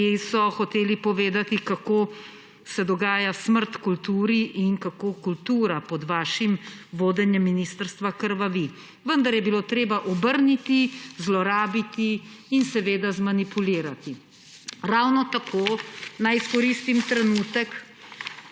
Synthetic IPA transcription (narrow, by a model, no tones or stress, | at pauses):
isɔxɔt̪eːlipɔʋeːd̪at̪ikakoː | sɛd̪ɔɡaːjasməɾt̪kult̪uːɾiʔinkakoːkult̪uːɾapɔd̪ʋaːʃimʋoːd̪ɛnjɛmːiniːst̪əɾst̪ʋakəɾʋaʋi | ʋənd̪aɾjɛbiloːt̪ɾeːbaʔɔbəɾnit̪izlɔɾaːbit̪iːnsɛʋeːd̪azmanipuliːɾat̪i | ɾawnɔt̪akʰoːnajiskɔɾist̪imt̪ɾɛnuːt̪ɛk